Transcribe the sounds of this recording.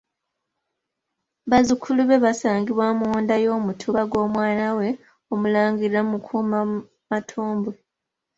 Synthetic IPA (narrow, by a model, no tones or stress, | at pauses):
βazukʰuluβe̞βasaːŋɡiβwamuwoːndajo̞ːmutʰuβaɡo̞ːmwaːnawe̞ | omulaːŋɡiɾamukʰuːma | matʰuːmbe